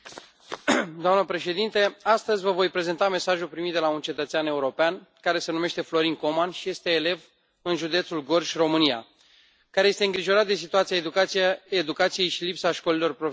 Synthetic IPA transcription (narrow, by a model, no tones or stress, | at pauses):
d̪oamnəpɾe̞ʃe̞d̪int̪e̞ast̪əzʲvəvo̞jpɾe̞ze̞nt̪ame̞saʒulpɾimit̪̚d̪e̞launt͡ʃe̞t̪ət̪seane̞uɾo̞peankaɾe̞se̞nume̞ʃt̪e̞flo̞ɾiŋko̞manʃije̞st̪e̞ːle̞v | ɨnʒud̪e̞t̪sulɡo̞rʒʲro̞mɨnia̰ | kaɾejest̪e̞ɨŋɡɾiʒo̞ɾat̪̚d̪es̬it̪uat̪sijaed̪ukaied̪ukat̪sije̞jʃilipsaʃko̞lilo̞rpɾo